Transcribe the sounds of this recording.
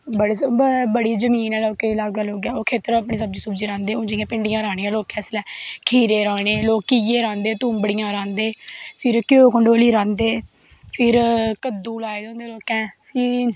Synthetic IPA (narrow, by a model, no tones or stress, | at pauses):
bəɽeːsbəɽiːzəmiːnɛːloːkeːlaːɡɡaːloːɡɛːoːkʰeːt̪əɾaːpɳiːsəb̚d͡ʒiːsəbd͡ʒiːɾãːnd̪eːõːd͡ʒijãːpɪɳɖɪjãːɾaːɽ̃iːãːloːkɛ̃ːslɛːkʰiːɾeːɾaːɽ̃eːloːkːiːjeːɾãːnd̪eːt̪uːmbəɽijãːɾãːnd̪eːpʰɪɾkjoːkəɳɖoːliːɾãːnd̪eː | pʰɪɾkəd̪ːuːlaːeːd̪õːnd̪eːloːkɛ̃ːsiː